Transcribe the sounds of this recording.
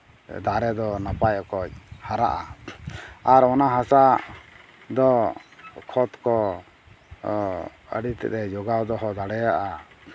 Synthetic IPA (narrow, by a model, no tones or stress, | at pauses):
d̪aɾɛd̪ɔnapajɔkɔc̚haɾa̰ʔa | aɾɔnaɦasa | d̪ɔ | kʰɔt̪kɔ | ə̰ɖit̪ɛ̰ɾɛd͡ʒɔɡawd̪ɔɦɔd̪aɽɛjaʔa